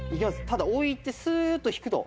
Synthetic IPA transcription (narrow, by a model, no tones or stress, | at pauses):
ikʲimasɨ̥t̪ad̪aoit̪ːe̞sɨt̪ːoçi̥kɯ̟t̪o̞̰